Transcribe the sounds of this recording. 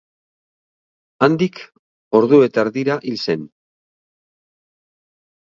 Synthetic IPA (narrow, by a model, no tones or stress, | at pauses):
and̪ik | o̞ɾðue̞t̪aɾðiɾaʔilse̞n